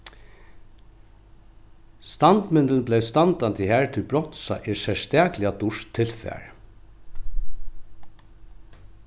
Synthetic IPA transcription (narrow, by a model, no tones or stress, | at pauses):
st̪ɑnd̪mɪnd̪ənblɛst̪ɑnd̪ɑntd̪ɪhæːɹt̪ʰɪlbɹɔt̪sɑ̰ʔisɛst̪æːklɪad̪ʊʂt̪ʰːɪlfæ̰ːɹ